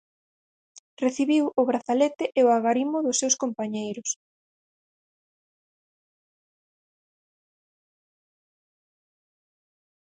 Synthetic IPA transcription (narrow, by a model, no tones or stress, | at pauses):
reθiβiwʊβɾaθalɛt̪ɪʔeʊaɣaɾimʊðʊsːewskompaɲejɾʊs